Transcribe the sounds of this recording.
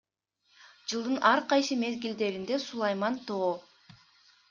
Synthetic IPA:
d͡ʒɯlˠd̪ɯnʔɑɾqɑjsɯme̞zɡild̪e̞ɾind̪esulˠɑjmɑnt̪oː

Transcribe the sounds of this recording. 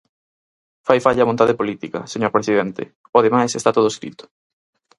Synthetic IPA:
fajfaʎɐβõnt̪aðepolit̪ikɐ̰seɲoɾpɾesiðent̪ɪ̰ | oðemajsest̪at̪oð̞oeskɾḭt̪ʊ̥

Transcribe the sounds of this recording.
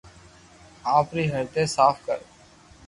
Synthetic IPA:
aːpɾiɦɐɾt̪esaːfkəɾ

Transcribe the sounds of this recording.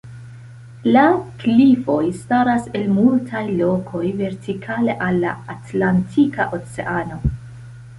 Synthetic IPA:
laklifo̞jstaɾase̞lmultʰajlo̞kʰo̞jve̞ɾtʰikʰale̞ʔalːa̰ːtlantʰikaʔo̞t͡se̞̰ʔano̞

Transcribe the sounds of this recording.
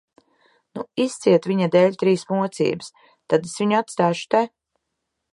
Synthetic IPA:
nuist̪siɛt̪viɲad̪ɛːlʲt̪ɾiːsmuɔt̪sḭːbɨs | t̪ad̪esviɲuat̪st̪aːʃu̥t̪ɛ

